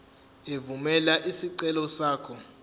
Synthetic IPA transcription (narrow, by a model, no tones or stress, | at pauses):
evumɛlaʔisiǀɛlɔsaːkʰɔ